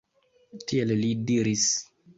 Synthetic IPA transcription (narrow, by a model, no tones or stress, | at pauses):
tiellidiɾis